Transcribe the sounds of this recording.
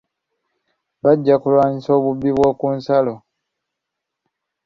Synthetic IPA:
βaɟːakulwaːɲiso̞ːβuβːiβwo̞ːkuːnsalo̞

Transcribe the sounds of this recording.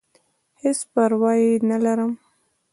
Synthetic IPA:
hespaɾwɑjinalaɾəm

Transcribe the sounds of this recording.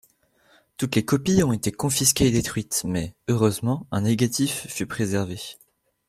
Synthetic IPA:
t̪ut̪lekɔpiɔ̃et̪ekɔ̃fiskʲeːd̪et̪χɥit̪mɛøʁøzmɑ̃ɛ̃neɡʲat̪ifːypχezɛʁve

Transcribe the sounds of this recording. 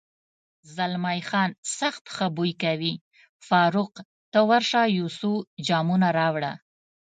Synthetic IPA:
zalmajxɑnsaxt̪xəbujkawi | fɑɾʊq | t̪əwaɾʃɑjusud͡ʒɑmunaɾɑwɽa

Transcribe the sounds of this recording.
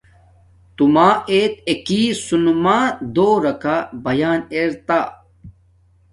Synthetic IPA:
t̪umaːeːt̪ekiːsunumaːd̪oːɾɐkabɐjaːneːɾt̪a

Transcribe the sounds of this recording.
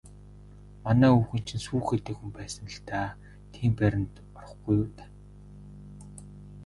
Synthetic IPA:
manæːuːxɘ̆n̥t͡ɕʰĭnsuːxet̪ĕːkxumpæːsə̆nə̆ɬt̪aː | t̪ʰiːmpæɾʲɪ̆nt̪ | ɔrə̆χɡujuːt̪ḁ

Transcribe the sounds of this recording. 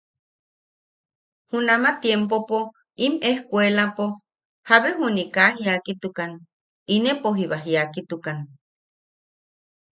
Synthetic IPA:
hunamat̪jempopo | imehkʷelapo | haβeɦunikaɦiakit̪ukan | inepoɦiβaɦiakit̪ukan

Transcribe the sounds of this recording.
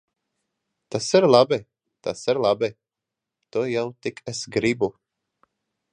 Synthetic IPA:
t̪asɛɾlˠabɪ | t̪asɛɾlˠabɪ | t̪ɔjawt̪ɪkʰɛsɡɾibu

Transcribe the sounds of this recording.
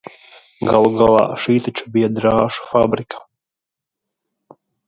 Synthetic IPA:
ɡalˠɡalˠa̰ʃiːt̪at͡ʃʰu̥bijad̪ɾaːʃu̥fabɾikʰḁ

